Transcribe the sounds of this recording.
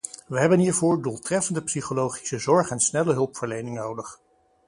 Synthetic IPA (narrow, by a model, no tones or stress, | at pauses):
ʋəɦɛbənɦiːɹvʊːɹdulˠtrɛfəndəpsiχolowχi̥səzɔɹχɛnsnɛləɦɵlˠpfəɹlejnɪŋnowdəχ